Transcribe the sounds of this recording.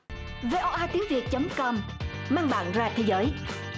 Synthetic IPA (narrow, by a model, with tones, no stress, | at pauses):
ve˧ʔɔ˧ʔaː˧t̪i˨˦əŋvi˨˩ət̚t͡ɕə˨˦mkɔ˧m | maː˧ŋɓa̰ː˧˨nzaː˧t̪ʰe˨˦jzəː˨˦j